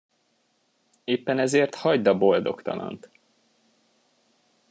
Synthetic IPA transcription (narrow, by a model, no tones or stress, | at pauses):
eːpːɛnɛzeːrt̪hɒɟd̪ɒbo̞ld̪o̞kt̪ɒ̰lɒ̰nt̪